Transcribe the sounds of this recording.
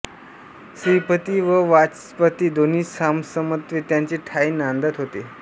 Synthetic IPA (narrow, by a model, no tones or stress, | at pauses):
sipət̪iːʋəʋat͡s | pət̪iːd̪oniːsamsəmət̪ʋet̪jaɲt͡ɕeʈʰaiːnãnd̪ət̪ɦot̪e